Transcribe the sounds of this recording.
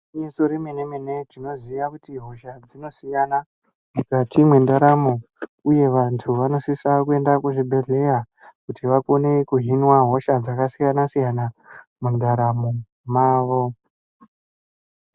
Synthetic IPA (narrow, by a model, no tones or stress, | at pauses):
insoɾimene̞me̞ne̞tino̞ziʋakutiɦo̞ʃad͡zino̞sijana | mukatimwe̞ndaɾamo | uje̞ʋantʰuʋano̞sisakue̞ndakuʐibʱe̞ɮe̞ra | kutiʋakonekuɦinwaɦo̞ʃad͡zakasijanasijanamundaɾamo | maːʋo̞